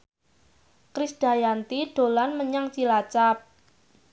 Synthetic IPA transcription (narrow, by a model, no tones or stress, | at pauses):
kɾisɖ̥a̤jant̪iɖ̥o̤lanməɲaŋt͡ʃilat͡ʃap̚